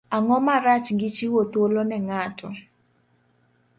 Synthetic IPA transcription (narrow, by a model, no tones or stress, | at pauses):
aŋɔmaɾat͡ʃŋɡɪt͡ʃiwot̪olonɛŋatʰɔ